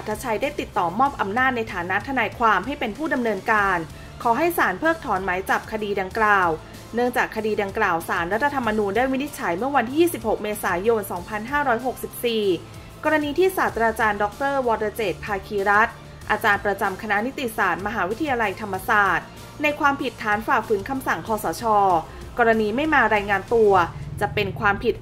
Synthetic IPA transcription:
a˨˩t̪ʰːa˧˥t͡ɕʰa˧jda˥˩jt̪i˨˩t̪ːɔː˨˩mɔː˥˩p̚ʔa˧mnaː˥˩t̪̚na˧jt̪ʰaː˩˦na˦˥t̪ʰa˧naː˧jkʰwaː˧mɦa˥˩jpe˧npʰuː˥˩da˧mnɤː˧nkaː˧n | kʰɔː˩˦ɦa˥˩jsaː˩˦npʰɤː˥˩k̚t̪ʰɔː˩˦nma˩˦jt͡ɕa˨˩p̚kʰa˧diː˧da˧ŋklaː˨˩w | nɯ˥˩əŋt͡ɕaː˨˩kʰːa˧diː˧da˧ŋklaː˨˩wsaː˩˦nɾa˦˥t̪ʰːa˧t̪ʰːa˧mːa˧nuː˧ndaː˥˩jmi˦˥ni˦˥t̪̚t͡ɕʰa˩˦jmɯ˥˩ɐwa˧nt̪ʰiː˥˩jiː˥˩si˨˩p̚ho˨˩k̚meː˧saː˩˦jo˧nsɔː˩˦ŋpʰa˧nɦaː˥˩ɾɔː˦˥jɦo˨˩k̚si˨˩p̚siː˨˩ | kɔː˧ɾa˧niː˧t̪ʰiː˥˩saː˨˩t̪ʰːɾaː˧t͡ɕaː˧ndɔ˦˥k̚t̪ɤː˥˩wɔː˧t̪a˧t͡ɕeː˨˩t̪̚pʰaː˧kʰiː˧ɾa˦˥t̪̚ | ʔaː˧t͡ɕaː˧npɾa˧t͡ɕa˧mkʰa˧na˦˥ni˦˥t̪i˧˨saː˨˩t̪̚ma˧ɦaː˩˦wi˦˥t̪ʰa˧jaː˧la˧jt̪ʰa˧mːa˧saː˨˩t̪̚ | na˧jkʰwaː˧mpʰi˨˩t̪ʰːaː˩˦nfaː˨˩k̚fɯː˩˦nkʰa˧msa˨˩ŋkʰɔː˧sɔː˩˦t͡ɕʰɔː˧ | kɔː˧ɾa˧niː˧ma˥˩jmaː˧ɾaː˧jŋaː˧nt̪u˧ɐt͡ɕa˨˩pe˧nkʰwaː˧mpʰi˨˩t̪̚

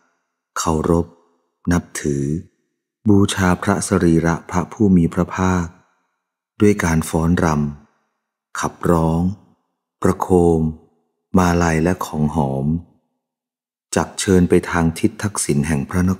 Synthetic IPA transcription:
kʰa˨˩wɾo˦˥p̚ | na˦˥p̚t̪ʰɯː˩˦ | buː˧t͡ɕʰaː˧pʰɾa˦˥sa˧ɾiː˧ɾa˦˥ʔpʰɾa˦˥pʰuː˥˩miː˧pʰɾa˦˥pʰaː˥˩k̚ | du˥˩əjkaː˧nfɔː˦˥nɾa˧m | kʰa˨˩p̚ɾɔː˦˥ŋ | pɾa˧kʰoː˧mː | aː˧la˧jlɛ˦˥kʰɔː˩˦ŋɦɔː˩˦m | t͡ɕa˨˩k̚t͡ɕʰɤː˧npa˧jt̪ʰaː˧ŋt̪ʰi˦˥t̪ʰːa˦˥k̚si˩˦nɦɛ˨˩ŋpʰɾa˦˥na˦˥

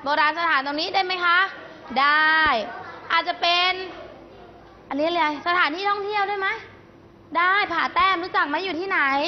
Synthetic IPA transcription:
bɔː˧ɾaː˧nsa˧t̪ʰaː˨˩˦nt̪ɔː˧ŋniː˦˥daː˥˩jma˦˥jkʰa˦˥ʔdaː˥˩jʔaː˨˩t̪̚t͡ɕa˨˩pe˧n | ʔa˧ni˦˥˩lɤ˧jsa˧t̪ʰaː˩˦nt̪ʰiː˧˥˩t̪ɔ˥˩ŋt̪ʰi˥˩əwdaː˥˩jma˦˥j | daː˥˩jpʰaː˨˩t̪ɛː˧˩mɾuː˦˥t͡ɕa˨˩k̚ma˦˥juː˨˩t̪ʰiː˥˩na˨˩˦j

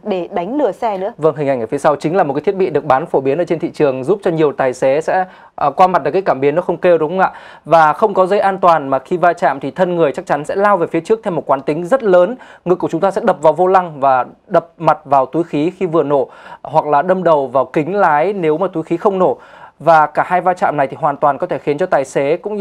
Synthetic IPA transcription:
ɗe˧˩ɗa˨˦jŋ̟lɨ˧˩əsɛ˧nɨ̰˧˥və˧ŋɦi˨˩ŋ̟ʔa˧˩ŋʔəː˧˩fsa˧wt͡ɕï˨˦laː˨˩m̚˨˩ka˨˦t̪ʰt̚ɓi˧˨ɗɨ˨˩ək̚ɓaː˨˦nfo˧˩ɓi˨˦ənʔəː˧˦t͡ɕe˧nt̪ʰḭ˧˨t͡ɕɨ˨˩əŋzu˦˥p̚t͡ɕɔ˧ɲi˨˩əwt̪aː˨˩jsɛ˨˦sɛ̰˧˥˧ | kwaː˧ma˨˩t̚ɗəː˨˩kaː˨˦jkaː˧˩mɓi˨˦ənːɔ˨˦xə˧wŋ͡mke˧wɗʊ˨˦ŋ͡mʔa̰ː˧˨ | vaː˨˩xə˧wŋ͡mkɔ˨˦zə˧jʔaː˧nt̪waː˨˩nmaː˨˩xi˧vaː˧t͡ɕa̰ː˧˨mt̪ʰi˨˩t̪ʰə˧nŋɨ˨˩əjt͡ɕa˦˥k̚t͡ɕa˨˦nsɛ̰˧˥laː˧wve˨˩fi˨˦ət͡ɕɨ˦˥ək̚t̪ʰmo˨˩t̚kwaː˨˦nt̪ï˨˦ŋ̟zə˦˥t̚ləː˨˦nŋɨ˨˩kːu˧˩t͡ɕʊ˨˦ŋ͡mt̪ːsɛ̰˧˥ɗə˨˩p̚vaː˨˩wvo˧la˧ŋvaː˨˩ɗə˨˩p̚ma˨˩t̚vaː˨˩wt̪u˨˦jxi˨˦xi˧vɨ˨˩əno˧˩hwa˨˩k̚laː˨˩ɗə˧mɗə˨˩wvaː˨˩wkï˨˦ŋ̟laː˨˦jne˨˦wmaː˨˩t̪u˨˦jxi˨˦xə˧wŋ͡mno˧˩vaː˨˩kaː˧˩haː˧jvaː˧t͡ɕa̰ː˧˨mna˨˩jt̪ʰi˨˩hwaː˨˩nt̪waː˨˩nkɔ˨˦t̪ʰe˧˩xi˨˦ənt͡ɕɔ˧t̪aː˨˩jse˨˦kʊ̰˧˥ŋ͡m

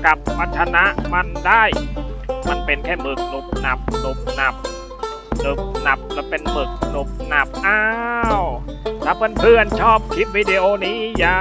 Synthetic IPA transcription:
ka˨˩p̚wa˦˧˥t͡ɕʰa˧na˦˥ʔma˧ndaː˥˩j | ma˧npe˧nkʰɛː˥˩bɯ˨˩k̚lu˨˩k̚na˨˩p̚lu˨˩k̚na˨˩p̚ | lu˨˩k̚na˨˩p̚lɛ˧˥pe˧nbɯ˨˩k̚lu˨˩k̚na˨˩p̚ʔaː˧˥w | t̪ʰaː˧˩pʰɯ˧˥˨npʰɯː˥˩ənt͡ɕʰɔː˥˩p̚kʰi˦˥p̚wiː˧de˧ʔoː˧niː˦˥jaː˨˧

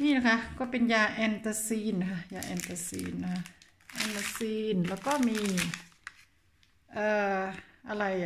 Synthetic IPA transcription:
niː˧˥˨na˧kʰa˦˧kɔː˧˩pe˨njaː˧˩ʔɛ˧˩nt̪a˧siː˧˥˨nːa˧kʰa˧jaː˧ʔɛ̰˧nt̪a˧sḭː˧˩nːa˧kʰa˧ | ʔɛ˧nt̪a˧siː˧nlɛː˧˩wkɔː˧˥˩miː˧˥ | ʔaː˧˩ʔa˧la˧j

